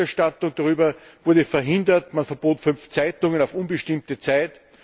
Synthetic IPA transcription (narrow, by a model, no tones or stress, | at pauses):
ɛɐʃtatʊŋd̥aʁyːbɐv̥ʊɐdəfɛɐɦɪndɐtmanfɛɐboːtfʏnft͡sæɪtʊŋənaʊfʊnbəʃtɪmtət͡sæɪt